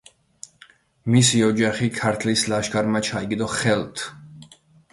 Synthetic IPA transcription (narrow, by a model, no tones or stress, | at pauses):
misiɔd͡ʒaχikʰaɾt̪ʰlislaʃɡaɾmat͡ʃʰaiɡid̪ɔχɛlt̪ʰ